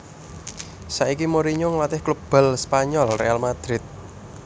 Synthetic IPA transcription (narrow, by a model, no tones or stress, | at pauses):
saʔikimoɾiɲɔŋlat̪ɪhklub̥ɛ̤lspaɲɔlrḛalmad̪̥ɾɪt̪̚